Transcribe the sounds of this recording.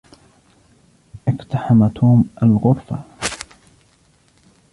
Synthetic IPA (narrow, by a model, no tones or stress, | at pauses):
ʔɪqt̪aħamat̪ʰuːmʔalɣʊɾfa̰